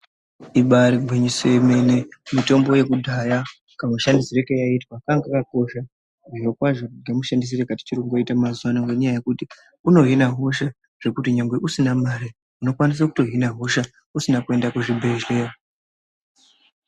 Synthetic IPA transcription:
iɓaɾiɡʱweɲisoeme̞ne̞mito̞mbo̞je̞kudʱaja | kamuʃandisire̞kejaitwakaŋɡakako̞ʃa | ʐirokwaʐo̞ɡʱamuʃandis̬irekati̥t͡ʃiɾikuŋɡo̞itamazuwanaŋɡe̞ɲajaje̞kuti | uno̞ɦinaɦo̞ʃa | ʐ̥e̞kutiɲamɡwe̞ʔusinamaɾi | uno̞kwanis̬aku̥to̞ɦinaɦo̞ʃa | usinakue̞ndakuʐibʱeʒleːra

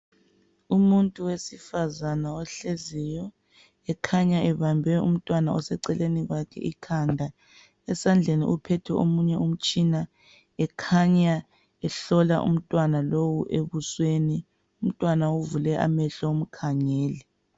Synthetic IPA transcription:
umuntʼuwesifazanaɔɬezijɔ | ɛkʰaɲaʔɛβambʱɛṵm̩tʼwanaɔsɛǀɛleniɣwakʰɛ̰ʔikʰandʱa | ɛsand͡ɮʱenḭʔupʰɛtʰɛʔomuɲɛʔum̩t͡ʃʼina | ɛkʰaɲa | ɛɬɔlaʔṵm̩tʼwanalowuʔeβusweni | um̩tʼwanauvulɛʔa̰mɛɬɔum̩kʰaɲɛːlɛ

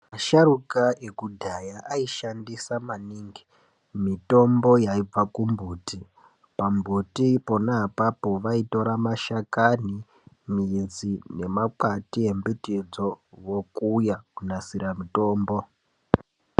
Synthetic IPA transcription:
maʃaɾukaʔekudʱajaʔaiʃandisamaniːŋɡi | mito̞mbo̞jaib͡vakumbʱuːti | pambʱutipo̞naːpapo̞ʋaito̞ɾamaʃakani | mid͡zine̞makatie̞mbitid͡zo̞ʋokujakunasiɾamito̞ːmbo̞

